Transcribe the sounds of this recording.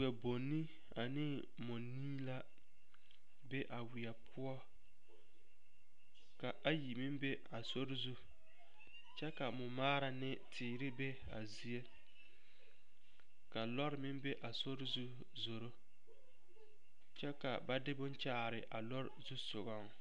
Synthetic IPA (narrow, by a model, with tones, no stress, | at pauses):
ɛ˨bo˨nːi˦ | a˨nɪ˦ | mʊ˨niː˦la˦ | bɛ˦ʔa˨wɪ˨ɛ˨pʰʊ˦ɔ˦ | ka˨ʔa˦ji˨mɪ˦mbe˦ | a˨so˦ɾɪ˦zu˦ | t͡ʃɛ˦ka˨mʊ˨maː˦ɾa˨nɪ˦tʰɪː˨ɾɪ˦bɛ˦ | a̰˨zi˦e˦ | ka˨lɔ˦ɾɪ˨mɪ˦mbe˦ʔa˨so˦ɾɪ˦zu˦ | zo˨ɾo˦ | t͡ʃɛ˦ka̰˨ba˦dɪ˦bʊ˦nt͡ʃaː˦ɾɪ˨ʔa˨lɔ˦ɾɪ˨zu˦sʊ˨ɣɔ˦ŋ